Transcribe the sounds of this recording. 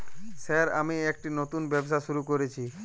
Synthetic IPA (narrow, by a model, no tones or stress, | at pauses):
saɾa̰miek̚ʈinot̪unbɛbʃaʃuɾukoɾet͡ɕʰi